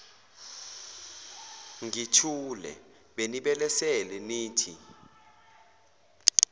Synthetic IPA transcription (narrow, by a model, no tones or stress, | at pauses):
ŋitʰulɛ̰ | ɓeniɓɛlɛsɛlɛniːtʰi